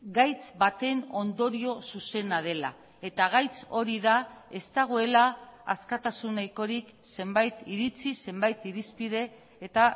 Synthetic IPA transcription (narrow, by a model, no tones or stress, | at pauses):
ɡajt͡sbat̪e̞no̞nd̪o̞ɾio̞suse̞nað̞e̞la̰ | e̞t̪aɣ̞ajt͡so̞ɾiðae̞st̪aɣ̞oe̞laa̰skat̪asunːajko̞ɾik | se̞mbajt̪iɾit͡sise̞mbajt̪iɾispiðe̞ː | t̪a